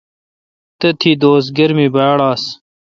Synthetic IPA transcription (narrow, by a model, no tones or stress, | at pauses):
t̪ɐt̪ʰiːd̪oːsɡɐɾmibaːɽaːs